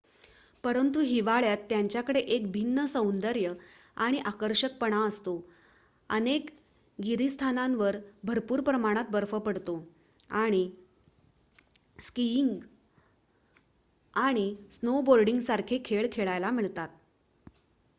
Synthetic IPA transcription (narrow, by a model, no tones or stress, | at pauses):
pəɾənt̪uɦiʋaɭjat̪ːjaɲt͡ɕjakəɽeʔekbʱinːəsə̃wnd̪əɾjə | aɽ̃iʔakəɾɕək̚pəɽ̃aəst̪o | ənek | ɡiɾist̪ʰanãnʋəɾbʱəɾpuːɾpɾəmaɽ̃at̪̚bəɾfəpəɽt̪o | aɽ̃i | skiŋɡ | aɽ̃isnoboɾɖiŋɡsaɾkʰekʰeɭkʰeɭajlamiɭt̪at̪̚